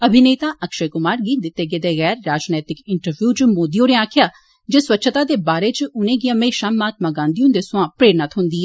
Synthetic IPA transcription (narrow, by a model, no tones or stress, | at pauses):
əbʱɪneːt̪ãːʔəkʃeːkʊmaːɾɡiːd̪ɪt̪ːeːɡed̪eːɣɛːɾːaːd͡ʒnɛːt̪ɪkɪɳʈəɾʋjuːt͡ʃmoːd̪ijõːnẽːaːkʰɪjaː | d͡ʒeːswətːʃʰət̪aːd̪eːbaːɾeːt͡ʃʊnẽːɡiːəmeːʃãːmaːt̪maːɡãːnd̪ijũnd̪eːsʊãːpɾeːɾnat̪ʰɦʊ̃nd̪iːɛː